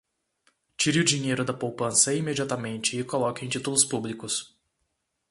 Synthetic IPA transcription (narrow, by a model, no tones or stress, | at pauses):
t͡ʃiɾɪʊd͡ʒiɲejɾʊd̪ɐpowpɐ̃sɐimed͡ʒiat̪ɐmẽnt͡ʃɪːkolɔkɪẽt͡ʃit̪ulʊspublikʊs